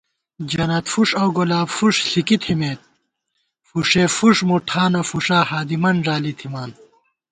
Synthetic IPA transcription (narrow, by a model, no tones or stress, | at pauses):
d͡ʑɐnɐt̪fuʂɐwɡolaːbfuʂɬikit̪ʰimeːt̪̚ | fuʂeːfuʂmuʈʰaːnɐfuʂaːhaːd̪imɐnʐaːlit̪ʰimaːn